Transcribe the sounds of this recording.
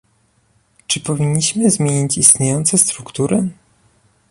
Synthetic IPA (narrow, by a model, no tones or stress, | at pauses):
t͡ʂɘpɔvʲiɲːiɕmɘzmʲjeɲit͡ɕist̪ɲejɔnt̪sɛst̪ɾukt̪uɾɘ